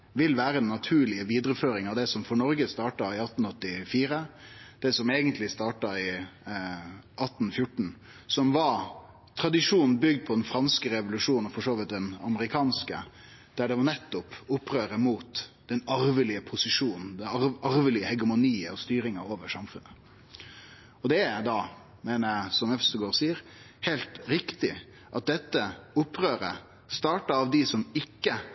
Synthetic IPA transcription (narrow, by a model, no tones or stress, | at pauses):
ʋɪlʋæːɾəɛnːɑt̪ʰʉːɭɪəʋiːd̪ɾəføːɾɪŋɑʋd̪ɛsɔmfɔɳɔɾɡəst̪ɑːʈɑɪɑt̪n̩ɔt̪ːɪfiːɾəd̪̥ɛsɔmeːɡənt̪ʰlɪst̪ɑːʈɑɪ | ʔɑt̪ːn̩fjʊʈɳ̩ | sɔmʋɑɾ | t̪ʰɾɑd̪ɪʂuːnn̩bʏɡd̪̚pʰɔd̪ɛnfɾɑnskəɾɛʋʊlʉʂuːnɔfɔʂoːʋɪt̪̚d̪ɛnɑməɾɪkʰɑːnskə̰ | d̪̥æɖɛʋɑɳɛt̪ːʊpʊpːɾøːɾəmuːt̪d̪ɛnɑɾʋəlɪəpʰʊsɪʂuːnn̩d̪ɛɑɑɾʋəlɪəhɛɡəmʊniːɔst̪yːɾɪŋəɾoːʋəʂɑmfʉnːə | ɔd̪ɛæd̪ɑ | meːnəɾæsɔmɛfst̪əɡoːɾsiːəɾ | hɛɪlt̪ɾɪkt̪ɪ | ʔɑt̪̚d̪ɛt̪ːəʊpːɾøːɾə̰ | st̪ɑːʈɑɑʋd̪ɪsɔmɪkːə